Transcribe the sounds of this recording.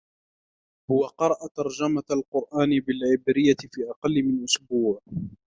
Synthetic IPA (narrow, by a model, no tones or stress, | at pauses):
hʊwaqɑɾˤɑʔat̪ɑɾˤd͡ʒamaalqʊɾˤʔaːnɪbɪlʕɪbɾɪjːaɪfiːʔɑqɑlːɪmɪnʔʊsbuːʕ